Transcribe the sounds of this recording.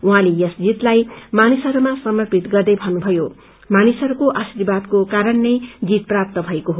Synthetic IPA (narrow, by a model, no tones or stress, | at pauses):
uɦãlejʌsd͡zit̪lajmanisʌɾumasʌmʌrpit̪ɡʌrd̪ʌjbʱʌnubʱʌjo | manisʌɾukoʔasiɾibad̪kokaɾʌnːʌjd͡zit̪̚prap̚t̪ʌbʱʌekoɦo